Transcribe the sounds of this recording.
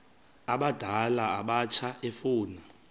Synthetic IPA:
aɓad̥ʱalaːɓat͡ʃʰaʔefuːna

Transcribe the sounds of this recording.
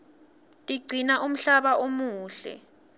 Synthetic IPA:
tʼiɡ͡ǀʱinaʔum̩ɬaɓaʔomuːɬɛ̰

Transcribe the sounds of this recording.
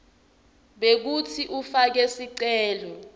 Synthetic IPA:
ɓek̬utʰiʔufak̬esiǀɛːlɔ

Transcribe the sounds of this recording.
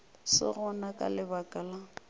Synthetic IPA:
sɪ̰ɣʊnakʼa̰lɪbakʼala

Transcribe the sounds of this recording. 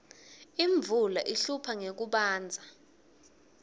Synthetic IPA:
iɱb̪vʱulaʔiɬupʰaŋek̬uɓaːnd͡zʱa

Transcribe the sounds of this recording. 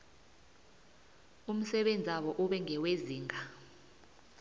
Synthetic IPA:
um̩sɛɓend͡zʱaɓɔʔuɓɛŋʱɛweziːŋʱa

